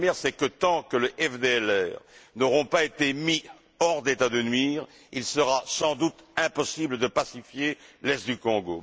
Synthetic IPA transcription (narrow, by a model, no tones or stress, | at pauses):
mjɛʁsɛkət̪ɑ̃kələʔɛfd̪eɛlɛːʁnɔʁɔ̃paet̪emi | ɔʁd̪et̪ad̪ənɥiʁ | ilsəʁasɑ̃d̪ut̪ɛ̃pɔsibləd̪əpasifjelɛst̪̚d̪ykɔ̃ɡo̰